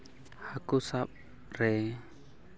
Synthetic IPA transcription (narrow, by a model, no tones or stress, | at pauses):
hakusap̚ | re